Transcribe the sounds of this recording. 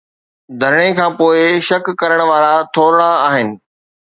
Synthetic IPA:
d̪ʱɐɾɪɽ̃ekʰãːpoːɪʃɐkːɐɾəɽ̃ʋaːɾat̪ʰoːɾɽ̃aaːɦɪnɪ̆

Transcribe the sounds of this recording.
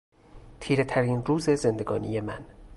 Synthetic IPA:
t̪ʰiːɾe̞t̪ʰæɾiːnruːze̞ze̞nd̪e̞ɡɒ̰ːnije̞mæn

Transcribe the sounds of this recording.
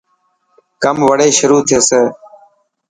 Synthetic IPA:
kəmʋəɽeːʃʊɾuːt̪ʰɪəseː

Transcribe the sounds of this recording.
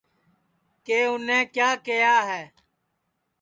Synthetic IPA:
keːʊnẽːkjaːkejaːɦɛː

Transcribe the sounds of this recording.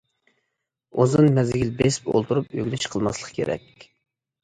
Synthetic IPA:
ozɨnmɛzɡʲilbespo̰lˠt̪uɾupø̰ɡʲlɪʃqʰəlˠmɑslˠəqkʲʰeɾɛ̰kʲ

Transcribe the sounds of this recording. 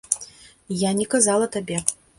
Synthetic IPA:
janʲɛkazalˠɐt̪abʲɛ

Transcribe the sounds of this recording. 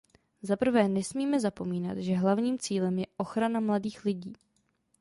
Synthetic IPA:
zapr̩vɛːnɛsmiːmɛzapo̞miːna̰t̪ʒɛɦlavɲiːmt͡siːlɛmjɛʔo̞xɾanamladiːxlɪɟiː

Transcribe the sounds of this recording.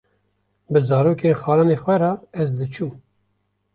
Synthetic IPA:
bɨzɑːɾoːkʰeːnxɑːlɑːnexʷɛɾɑɛzd̪ɨt͡ʃʰuːm

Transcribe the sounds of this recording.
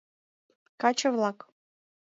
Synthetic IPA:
kɑt͡ɕɤ̆vlˠɑk

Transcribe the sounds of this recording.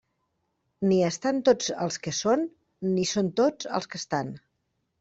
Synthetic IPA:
niəst̪ant̪od͡zəlˠskəsonː | isont̪od͡zə̰lˠskəst̪an

